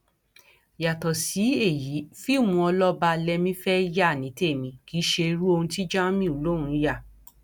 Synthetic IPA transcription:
ja˨tɔ˨si˨˦e˦˨ji˨˦fi˦˨mũ˧ɔ˧lɔ˦ba˧lɛ˧mĩ˦fɛ˦ja˦˨nĩ˨˦te˦˨mĩ˧˦ki˨˦ʃe˧ɾu˦o˧hũ˧ti˦d͡ʒã˦mĩ˦o˨lo˦˨ɾ̃ũ˧ja˦˨

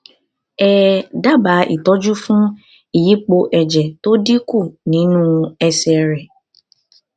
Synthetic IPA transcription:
ɛː˦da˦ba˨˦ʔḭ˨tɔ˦d͡ʒu˦fũ˦ | i˨ji˦k͡po˧ʔɛ˨d͡ʒɛ˨to˦di˦ku˦˨nĩ˨˦nũ˦ɛ˦sɛ˨ɾɛ˨

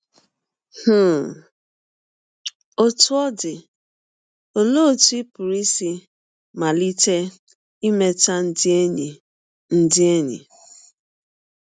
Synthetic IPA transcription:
h̩˦˨ | o˦tu˦ɔ˦dɪ˨ | o˨lo˦˨tu˦i˦pʊ˨ɾi˦si˦ | ma˨li˦te˦ | i˦me˦ta˦n˦dɲ˨ | n̩˦dɪ˦e˦ɲḭ˨

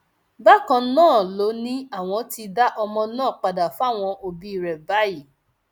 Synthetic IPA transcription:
ba˦˨kã˧˦nãː˦˨lo˨˦nĩ˦a˦˨w̃ɔ̃˧˦ti˧da˦ʔɔ˧mɔ̃˧nãː˦˨k͡pa˨da˨fa˦˨w̃ɔ̃˧ʔo˧bi˧i˨ɾɛ˨ba˨˦i˦˨

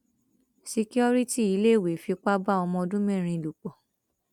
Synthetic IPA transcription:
si˧ki˦ɔ˧ɾi˦ti˦˨i˨˦le˦˨we˨fi˧k͡pa˦ba˦ɔ˧mɔ̃˧ɔ˧dũ˦mẽ˦˨ɾ̃ĩ˧˨lu˨k͡pɔ˨

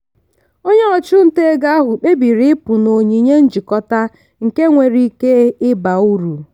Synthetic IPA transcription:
o˦ɲe˦ɔ˨t͡ʃʊ˦n̩˦te˦e˦ɡa˦a˦ɦʊ˨k͡pe˦bi˨ɾi˦ɪ˦pʊ˨no˨ɲi˨ɲe˦n̩˦d͡ʒi˨kɔ˦ta˦ | ŋ̩˨ke˦ŋʷe˨ɾi˦ke˦ɪ˦ba˨u˦ɾu˨

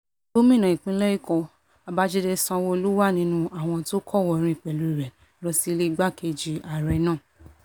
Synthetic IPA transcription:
o˦mĩ˦˨nã˨i˨k͡pĩ˨˦lɛ˦i˦˨kɔ˧ | a˧ba˦d͡ʒe˦de˧sã˧wɔ˧o˧lu˦wa˦˨nĩ˧˦nũ˦a˦˨w̃ɔ̃˧to˦kʰɔ˦˨wɔ˨ɾ̃ĩ˧i˨k͡pɛ˨lu˨i˨ɾɛ˨ | lɔ˧si˦le˦i˦ɡ͡ba˦˨ke˧d͡ʒi˧a˨ɾɛ˨nãː˦˨

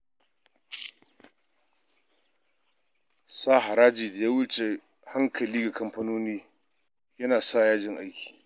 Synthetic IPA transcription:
saː˦ɦa˨ɾaː˦d͡ʒiː˨da˨jaː˦wʊ˦t͡ʃe˨ | ha˦ŋkʰɐ˨liː˦ɡa˨kɐ˦mɸɐ˦noː˦niː˦ | jɐ˦naː˨saː˦˨jaː˦d͡ʒɪ˨ŋʔa˦jkʲʰi̥ː˨

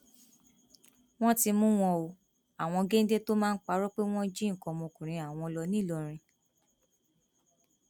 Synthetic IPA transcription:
w̃ɔ̃˦ti˧mũ˦w̃ɔ̃˧o˧ | a˨w̃ɔ̃˧ɡe˦n̩˦de˦to˦mãː˦n̩˦k͡pa˧˦ɾɔ˦k͡pe˦w̃ɔ̃˦d͡ʒĩ˦ŋ̩˨kɔ̃˧mɔ̃˧kũ˨ɾ̃ĩ˧a˨w̃ɔ̃˧lɔ˧nĩ˦˨lɔ˧ɾ̃ĩ˧

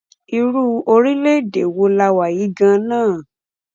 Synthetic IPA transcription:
i˧ɾu˦o˧ɾi˦le˦˨de˨wo˧la˧wa˨ji˨˦ɡã˧˦nãː˦˨

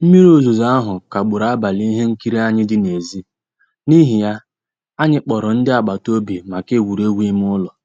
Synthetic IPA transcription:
m̩˦mi˦ɾo˦zu˨za˦a˦ɦʊ˨ka˨ɡ͡bʊ˨ɾa˦ba˨li˦ɦe˦ŋ̩˦ki˦ɾi˦a˦ɲɪ˦dɪ˦ne˨zi˦ | ni˦ɦi˨ja˦ | a˦ɲɪ˦k͡pɔ˨ɾɔ˨n̩˦dɪ˦a˨ɡ͡ba˨to˦bi˨ma˨ke˦˨wu˨ɾe˦ɡʷi˦m̩˦ʊ˦lɔ˨

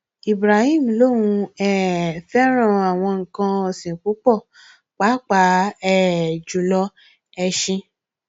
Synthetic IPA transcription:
i˨bɾa˨hi˦˨m˨lo˦˨wũ˧ɛ˦˨fɛ˦ɾ̃ã˦˨a˨w̃ɔ̃˧ŋ̩˨kã˧ɔ˧sĩ˨k͡pu˨˦k͡pɔ˦˨ | k͡pa˨˦k͡pa˨˦ɛ˦˨d͡ʒu˨lɔ˧ | ɛ˧ʃĩ˧

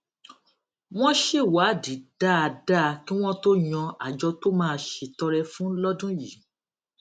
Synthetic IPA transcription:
w̃ɔ̃˦ʃe˦˨wa˨˦˨di˨˦da˦˨a˧da˦˧ki˦w̃ɔ̃˦to˦j̃ɔ̃˧a˨d͡ʒɔ˧to˦mãː˦˧ʃe˧tɔ˧ɾɛ˧fũ˦lɔ˦dũ˦ji˨˦

